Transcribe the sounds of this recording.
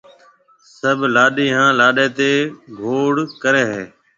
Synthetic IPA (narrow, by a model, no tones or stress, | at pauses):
səbʱlaːɗiːɦãːlaːɗeːt̪eːɡʱoːɽkəɾeːɦeː